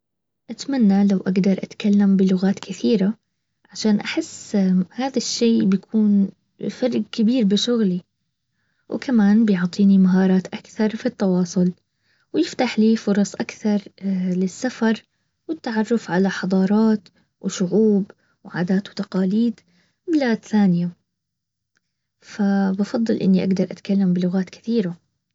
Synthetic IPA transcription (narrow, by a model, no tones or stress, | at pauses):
ʔat̪manːalawʔaɡd̪ɑɾˤʔat̪kalːambɪlʊɣaːt̪kɪθiːɾa | ʕaʃaːnʔaħɪsːhaːðaʃːeːbɪjakʰuːn | fɑɾˤɡkɪbiːɾbɪʃʊɣli | w̰kʰamaːnbɪjʊʕt̪ˤiːnimaɦɑːɾˤɑːt̪ʔakθɑɾˤfit̪ːɑwɑːsˤʊl | wjɪft̪aħliːfʊɾˤɑsˤʔakθɑɾˤlɪsːafɑɾˤ | wɪt̪ːaʕɑrˤːʊfʕalaħɑd̪ˤɑːɾˤɑːt̪ | wɪʃʊʕuːb | wʕa̰ːd̪aːt̪wt̪aqɑːliːd̪ | mɪlaːt̪θaːnɪja | fabɑfɑd̪ˤːɨlʔɪ̰nːiʔaɡd̪ɑɾˤʔat̪kalːambɪlʊɣaːt̪kɪ̥θiːɾa